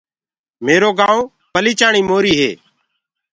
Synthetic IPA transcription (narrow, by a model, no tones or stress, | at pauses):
meːɾoːɡãːõː | pəliːt͡ʃaːɳiːmoːɾiːɦḛː